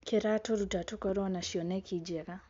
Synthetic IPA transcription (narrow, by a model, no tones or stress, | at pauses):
kɛɾatɔɾutatukɔɾɔnaʃiɔnɛkid͡ʒɛɣa